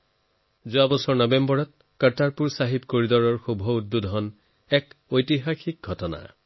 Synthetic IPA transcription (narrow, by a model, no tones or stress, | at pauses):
zuabɔsɔɹnɔbembɔɹɔt̪̚ | kətaɹpuɹsaɦip̚koɹidɔɹɔɹxubʱɔud̪ːudɦɔn | ɛkojtiɦaxik̚ɡʱɔtɔna̰